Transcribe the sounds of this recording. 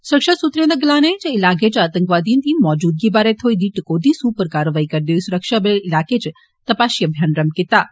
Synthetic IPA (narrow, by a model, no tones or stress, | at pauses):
sʊɾəkʃasut̪ɾẽnd̪ɐɡlaːnet͡ʃeɪlaːk̬et͡ʃaːt̪əŋkʋaːd̪iːnt̪ĩmɔːd͡ʒuːd̪̚ɡibaːɾet̪ʰoːid̪iːʈkoːd̪isuːpəɾkaːɾəʋaːikɐɾd̪oːisuɾəkʃabəeɪlaːket͡ʃ | t̪ɐpaːsjɐbʱjaːnɾɐmkɪt̪aː